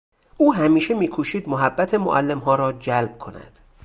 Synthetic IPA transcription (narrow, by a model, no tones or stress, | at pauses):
ʔuːɦæmiːʃe̞miːkʰuːʃiːd̪moɦæbːæt̪ʰemoʔælːe̞mɦɒːɾɒːd͡ʒælb̥̚kʰo̞næ̰d̪̥